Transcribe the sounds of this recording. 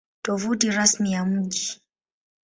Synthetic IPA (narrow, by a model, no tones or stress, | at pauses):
tɔvutiɾasmijam̩ʄi